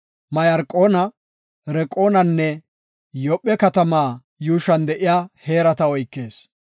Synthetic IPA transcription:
mɐjɐɾkʼːoːnɐ | ɾɛkʼo̞ːnɐnːɛ | jɔpʼːɛkɐt̪ɐmaː | juːʃɐnd̪ɛʔɪjaːhe̞ːɾɐt̪ɐɔjkːe̞ːs

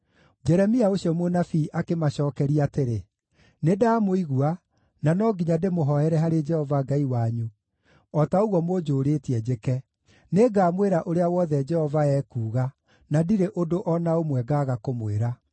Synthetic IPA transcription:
d͡ʒɛɾɛmiaoɕiɔmonafiʔakemaɕɔːkɛɾiateɾe | nedaːmoiɣua | nanɔɡiɲademoɦɔhɛɾɛɦaɾed͡ʒɛhɔvaɡaiwaɲu | ɔtaoɣwɔmod͡ʒoːɾeːtiɛd͡ʑekɛ | neɡaːmweɾaʔoɾeawɔðɛd͡ʒɛhɔvaɛːkuːɣa | nadiɾeʔodoʔɔnaomwɛɡaːɣakomweɾa

